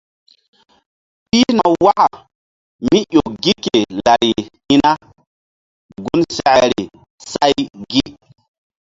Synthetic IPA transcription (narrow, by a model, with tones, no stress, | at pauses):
ɓi˦na˨wa˦ʔa˨ | mi˦ʔo˨ɡi˦ke˨la˨ɾi˨hi˦na˦ | ɡu˦nsɛ˦ʔɛ˨ɾi˨ | sa˦jɡi˦